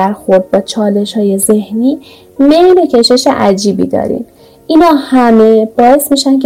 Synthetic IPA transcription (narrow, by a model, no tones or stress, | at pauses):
æɾxo̞ɾd̪̚bɒːt͡ʃʰɒːle̞ʃhɒːje̞ze̞hniː | me̞jlocʰe̞ʃe̞ʃe̞ʔæd͡ʒiːbḭd̪ɒ̰ːɾḭn | ʔinhɒːhæme̞b̥ɒːe̞smiːʃæncʰ